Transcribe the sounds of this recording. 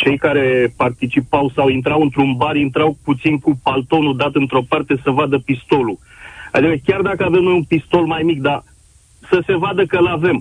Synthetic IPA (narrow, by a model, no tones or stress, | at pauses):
t͡ʃe̞jkaɾe̞part̪it͡ʃipawsawint̪̬ɾawɨnt̪ɾunbaɾint̪ɾawput̪sinkupalt̪o̞nud̪at̪ɨnt̪ɾo̞part̪e̞səvad̪əpist̪o̞lu | a̰d̪ikəkʲard̪akəave̞mno̞junpist̪o̞lmajmik̚d̪a | səse̞vad̪əkəlave̞m